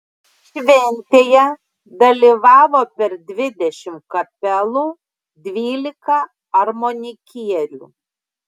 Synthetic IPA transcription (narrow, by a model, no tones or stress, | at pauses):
ʃʲʋʲɛnʲt̪ʲeːjɛ | d̪ɐlʲiʋɑːʋoːpʲɛɾd̪ʲʋʲɪd̪ʲɛʃʲɪmkɐpʲɛlˠuː | d̪ʲʋʲiːlʲɪkɐ | ɐɾmonʲɪkʲiɛlʲṵː